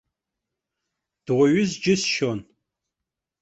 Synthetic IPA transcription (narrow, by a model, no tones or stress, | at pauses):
d̥ʁʷɔɥʊzd͡ʒɪsʃon